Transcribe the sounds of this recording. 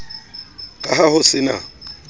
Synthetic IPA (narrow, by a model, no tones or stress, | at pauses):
kʼaɦahʊsɪna̰